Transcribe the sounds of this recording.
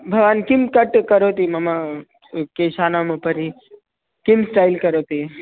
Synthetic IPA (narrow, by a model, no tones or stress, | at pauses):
bʱɐʋaːnkimkəʈkəɾoːt̪imɐma | keʃaːnaməpəɾi | kimsʈaːjlkəɾot̪i